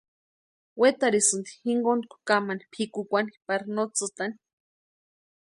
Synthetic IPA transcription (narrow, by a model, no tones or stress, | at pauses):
wet̪aɾisɨnd̪i̥hiŋɡonkʷu̥kamanipʰikukʷanipaɾnot͡sɨt̪ani̥